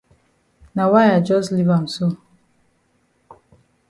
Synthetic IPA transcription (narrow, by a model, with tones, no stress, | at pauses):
na˨wa˦ja˨d͡ʒɔ˦zli˦va˨m̩˨so˦˨